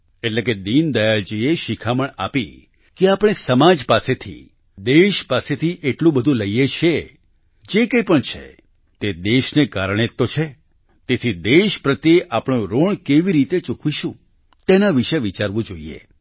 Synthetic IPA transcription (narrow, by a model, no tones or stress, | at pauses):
eʈlek̬ed̪ind̪əjad͡ʒieʃikʰaməɳa̰pi | keapɽ̃esəmad͡ʒpaset̪ʰḭ | d̪eʃpaset̪ʰiʔeʈlũbəd̪ʱũləijet͡ʃʰe | d͡ʒekəjpəɳt͡ʃʰḛ | t̪ed̪eʃnekaɾəɳ̃et̪ːot͡ʃʰe | t̪et̪ʰid̪eʃpɾət̪jeʔapɳ̃õɾoɳkeʋiɾit̪et͡ʃukʰʋiʃũ | t̪enaʋiʃeʋit͡ʃaɾʋũd͡ʒoiḛ